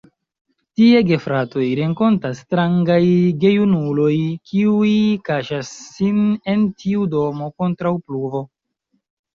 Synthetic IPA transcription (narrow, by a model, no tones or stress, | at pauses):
tieɡe̞fɾato̞jɾe̞ŋko̞ntastɾaŋɡajɡe̞junulo̞jkʰiuikaʃasːine̞ntʰiudo̞mo̞ko̞ntɾawpluvo̞